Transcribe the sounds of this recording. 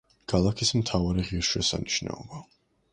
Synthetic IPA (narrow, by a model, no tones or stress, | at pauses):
ɡ̥ʰalˠakʰismt̪ʰavaɾiʁiɾʃwɛsa̰niʃna̰ɔba